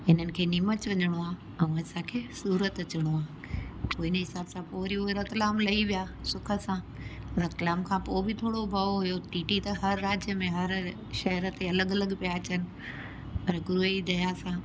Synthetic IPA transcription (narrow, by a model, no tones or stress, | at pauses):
ɪn̤ənɪ̆kʰeːnimət͡ɕʋɐɲəɽ̃oaː | ɛ̃ũɐsãkʰeːsuːɾət̪ɐt͡ɕəɽ̃oaː | poːɪnɦɪsaːbsãpoːɾioeɾɐt̪laːmlɐiʋijaːsʊkʰə̆sãː | ɾɐt̪laːmkʰãpoːbɪt̪ʰoːɽobʱɐoɦʊjoʈiːʈit̪ɐɦɐɾːaːd͡ʑjəmẽɦɐɾ | ʃɐɦɾət̪ʰeɐləɡɐləɡpijaːt͡ɕənɪ̆ | pɐɾɡɾuid̪ɐjasãː